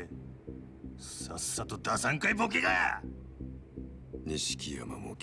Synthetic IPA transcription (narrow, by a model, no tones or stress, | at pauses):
sasːat̪od̪asãŋkaibok̬ʲiɡaja̰ | ɲiɕi̥kʲia̰ma̰mokʲ